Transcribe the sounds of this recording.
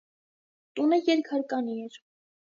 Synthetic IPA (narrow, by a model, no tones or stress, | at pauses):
t̪unəjɛɾkʰhɑɾkɑniɛɾ